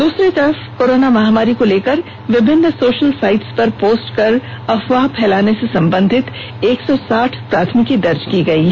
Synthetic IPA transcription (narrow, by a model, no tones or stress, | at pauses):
d̪uːsɾit̪ɐɾfkoːɾoːnamɐɦaːmaːɾikoleːkɐɾ | ʋɪbʱɪnːsoːʃəlsaːɪʈspɐɾpoːsʈkɐɾ | ɐfʋapʰɛːlaːnesesɐ̃mbə̃nd̪ʱɪt̪ | eːksɔsaːʈʰpɾaːt̪ʰmɪkid̪ɐɾd͡ʒkiɡɐiː